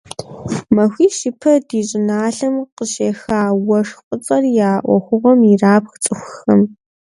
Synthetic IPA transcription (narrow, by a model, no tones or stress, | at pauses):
mɐxʷiːʃɪpʰɐdiːɕʼɪnaːɬɐmqəɕeːxaːwɐʂqʷʼʊt͡sʼɐrjaːʔʷɔ̰xʷʊʁɐmiraːpxt͡sʼɨxʷʊxɐm